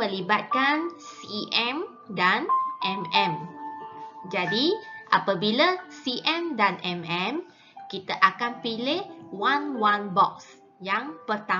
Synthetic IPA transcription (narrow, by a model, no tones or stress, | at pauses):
əlibat̪̚kansiʔɛm | danʔɛmɛ̃m | d͡ʒadiʔapabilasiʔɛmdanɛmɛm | kit̪aʔakanpilɪhwanwanbɔk̚s | jaŋpərt̪a